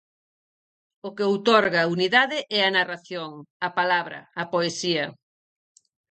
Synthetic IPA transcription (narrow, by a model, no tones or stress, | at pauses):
ʊkeowt̪ɔɾɣaːuniðaðɪʔɛɐnaraθjoŋɐpalaβɾɐ̰ɐpoesiɐ